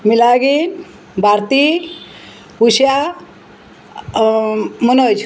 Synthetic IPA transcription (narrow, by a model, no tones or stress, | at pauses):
milaɡin | bʱaɾt̪i | ɦusja | mənot͡ʃʰ